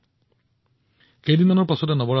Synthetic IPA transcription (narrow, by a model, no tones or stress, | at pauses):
xejdinmanɔɹpasɔdɛnɔbɔɹa